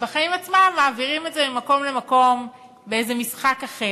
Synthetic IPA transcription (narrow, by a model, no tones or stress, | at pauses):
b̥eχaimat͡smamːaːviʁimetzebimako̞mle̞mako̞m | beejze̞misχakaχe